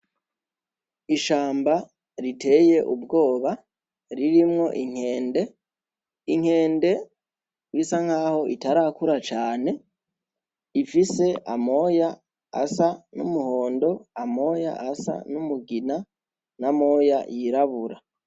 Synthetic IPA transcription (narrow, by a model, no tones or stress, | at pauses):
iʃaːmba | ɾite̞je̞ʔubɡo̞ːβa | ɾiɾimŋo̞ʔiŋ̥he̞ːnde̞ | iŋ̥e̞ːnde̞ | wisaŋ̥haːho̞ʔitaɾakuɾat͡ʃaːne̞ | ifise̞ʔamo̞ja | a̰sanṵmuho̞ːndo̞amo̞ja̰ʔasa̰numuɡina | namo̞ja̰jiɾaβuɾa